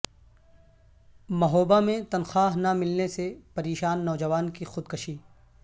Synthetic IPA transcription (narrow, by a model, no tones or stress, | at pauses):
mɐɦoːbamẽt̪ɐnxaːɦnamɪlnesepɐɾeːʃaːnːɔːd͡ʒɐʋaːnkixʊd̪kɐʃiː